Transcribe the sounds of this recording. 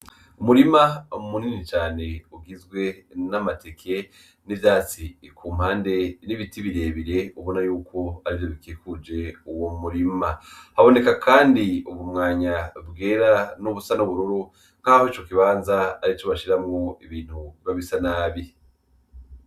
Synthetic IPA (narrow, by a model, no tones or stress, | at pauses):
umuɾimaomuninit͡ʃaːne̞uɡizɡwe̞namatekʰe̞ | nivjaːt͡sikʰuːm̥haːnde̞niβitiβiɾe̞ːβiɾe̞uβo̞najuːkʰo̞aɾivjo̞βikeːkud͡ʒe̞uwomuɾimahaβo̞ne̞kakʰaːndiuβumŋaːɲabɡeːɾanuβusanuβuɾuɾu | ŋ̥kahoit͡ʃo̞kiβaːnzaːɾit͡ʃoβaʃiɾamŋoiβiːn̥huβaβisanaːβi